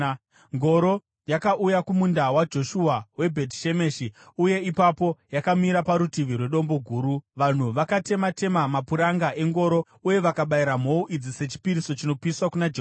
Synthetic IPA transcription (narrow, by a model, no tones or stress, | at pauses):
ŋɡo̞ɾo̞ | jakaʔujakumundawad͡ʒo̞ʃuawe̞bʱe̞tʃe̞me̞ʃi | uje̞ipapo̞jakamiɾapaɾutiʋirwe̞ɗo̞mbo̞ɡʱuːɾuʋan̤uʋakate̞mate̞mamapuɾaŋɡaʔe̞ŋɡo̞ɾo | uje̞ʋakaɓaiɾam̤o̞uʔid͡zise̞t͡ʃi̥piɾiso̞t͡ʃino̞piswakunad͡ʒe